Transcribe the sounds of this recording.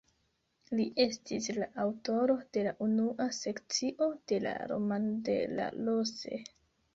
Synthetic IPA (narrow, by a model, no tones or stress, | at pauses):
liʔe̞stislaʔawto̞ɾo̞d̥e̞laʔunuʔase̞kt͡siʔo̞d̥e̞la̰ɾo̞̰mandḛla̰lose̞̰